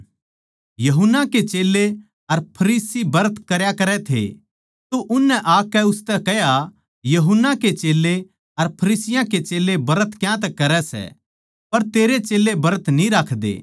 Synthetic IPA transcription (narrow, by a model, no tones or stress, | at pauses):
jɐɦʊnːaket͡ʃeːlːe | ɐɾpʰɐɾiːsibɐɾət̪kɐɾjakɐɾɛt̪ʰḛ | t̪oʔʊnːɛʔaːkːɛʊst̪ɛkɛja | jɐɦʊnːaket͡ʃeːlːe | ɐɾpʰɐɾiːsɪjãket͡ʃeːlːebɐɾət̪kjãt̪̬ɛkːɐɾɛsɛ̰ | pɐɾt̪eːɾet͡ʃeːlebɐɾət̪nĩɾaːkʰd̪ḛː